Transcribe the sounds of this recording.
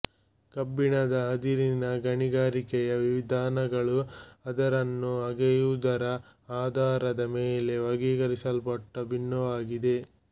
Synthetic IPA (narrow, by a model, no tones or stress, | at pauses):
kɐbːiɳɐd̪ɐɦɐd̪iɾinɐɡɐɳiɡaːɾikɛjɐʋiʋid̪ʱaːnɐɡɐɭuɐd̪ɐɾɐnːuɐɡɛjud̪ɐɾɐ | aːd̪ʱaːɾɐd̪ɐmeːle̞ʋɐɡiːɡɐɾisɐlpɐʈːɐbinːɐʋaːɡid̪e̞